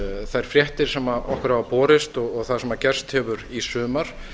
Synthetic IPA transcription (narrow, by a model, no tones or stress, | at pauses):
θajɾ̥fɾjɛht̪ɪɾ̥sɛmaɔhkʏɾaapɔːɾɪst̪ɔɣɔɣθaðsɛmacɛr̥st̪hɛvʏɾisʏːmaɾ̥